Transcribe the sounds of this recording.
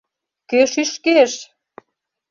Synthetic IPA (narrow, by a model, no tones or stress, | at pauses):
køʃyʃkeʃ